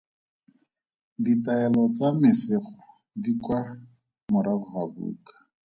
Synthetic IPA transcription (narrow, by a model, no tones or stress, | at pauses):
ditaɛlɔt͡samɪsɪχɔ | dikwa | mʊɾabʊχabṵːkḁ